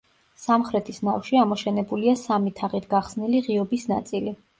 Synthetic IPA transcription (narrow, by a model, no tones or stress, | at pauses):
samχɾɛt̪ʰisnafʃiamɔʃɛnɛbuliasamit̪ʰaʁit̪ʰɡaχsniliʁiɔbisna̰t̪sʼili